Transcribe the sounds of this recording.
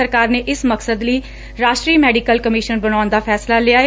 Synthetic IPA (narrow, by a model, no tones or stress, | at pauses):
əɾkaːɾneːʔɪsməksəd̪ləiː | ɾaːʃʈɾiːmɛːɖikəlkəmiːʃənbəñaːʊnd̪aːpʰɛːslaːlɪaːe